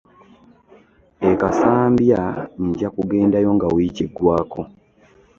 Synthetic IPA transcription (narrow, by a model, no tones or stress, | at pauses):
ekasaːmbjaniɟakuɡe̞ːndajo̞ŋɡawiciɡːwaːko̞